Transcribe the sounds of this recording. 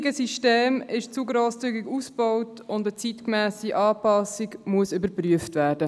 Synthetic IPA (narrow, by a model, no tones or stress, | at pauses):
ɡəsiʃteːmɪʃt͡suɡɾoːst͡syɡiɡusb̥ɔwtʊndət͡sitkmæːsiʔɑːpɑsiɡmuəsʏbəɾpɾyəftvæːɾd̥ə